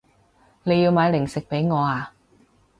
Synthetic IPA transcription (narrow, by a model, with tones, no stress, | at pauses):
ne˨˧ji˧wmaː˨˧jlɪ˨˩ŋsɪ˨k̚pe˨˥jŋɔː˨˧aː˧